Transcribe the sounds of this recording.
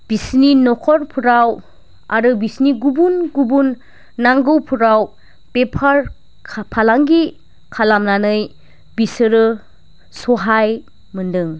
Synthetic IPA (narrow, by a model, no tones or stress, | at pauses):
b̥isninɔkʰɔɾpʰuɾaw | a̰ɾɯbisniɡubunɡubunː | aŋɡɯwpʰuɾaw | pepʰaɾʰ | pʰalaŋɡi | kʰalamnanɯj | bisɯɾɯ | sɔɦaj | mɯndɯŋ